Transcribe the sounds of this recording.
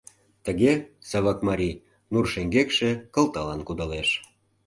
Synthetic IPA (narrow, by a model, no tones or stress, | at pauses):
t̪əɣesɑβɑkmɑɾʲi | nurʃeŋɡekʃekə̆lt̪ɑlɑnkud̪ɑleʃ